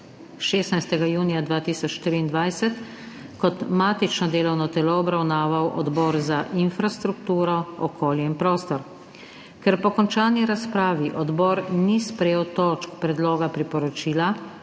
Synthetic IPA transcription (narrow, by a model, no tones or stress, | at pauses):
ʃeːsnajst̪ɛɡajuːnijad̪ʋaːt̪iːsɔt͡ʃʃt̪iɾiːnd̪ʋajsɛt̪ | kɔt̪maːt̪it͡ʃnɔd̪eːlɔwnɔt̪ɛlɔːbɾawnaːʋawʔɔ̰d̪bɔːɾzaʔinfɾast̪ɾuk̚t̪uːɾɔɔkʰoːljɛinpɾoːst̪ɔɾ | kɛɾpɔkɔnt͡ʃaːniɾaspɾaːʋiʔɔd̪bɔːɾnispɾɛjeːwt̪ɔːt͡ʃkpɾɛd̪loːɡapɾipɔɾɔt͡ʃiːla